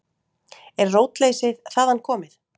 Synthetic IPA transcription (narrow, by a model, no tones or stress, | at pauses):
ɛɾroːwt̪lejsɪðθaːðanːkʰɔːmɪθ